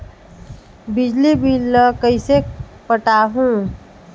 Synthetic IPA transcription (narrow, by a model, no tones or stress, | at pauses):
bɪd͡ʒlibilːəkəise | pəʈaːɦũː